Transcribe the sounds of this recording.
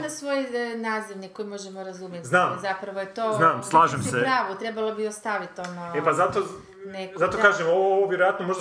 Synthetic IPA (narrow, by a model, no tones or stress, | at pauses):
nasʋojnaːziʋnikːo̞jmo̞ʒemoɾazumjet̪znaːmzapɾɐʋojet̪oːznaːmslˠaːʒemseɾaːʋut̪ɾebalˠobiost̪aʋit̪onaepazat̪o | nekzat̪okaːʒemoooʋjeɾojat̪nomoʒd̪a